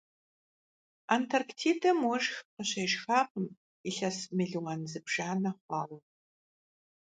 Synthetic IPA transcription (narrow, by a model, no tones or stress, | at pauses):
antʰɐrktʰiːdɐmwɔʒxqəɕɐʒxaːqəm | iɬɐsmɨɮɨʁɐnzɨbʒ̥aːnɐχʷɑːʁɔ